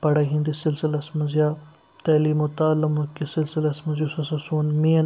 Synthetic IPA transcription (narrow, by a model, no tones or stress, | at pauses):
pɐɽɐɦĩnd̪isɪlsɪlɐsmɐzijaː | t̪ɐːliːmot̪aːlɐmukisɪlsɪlɐsmɐzjusɐsɐsuːnmiːn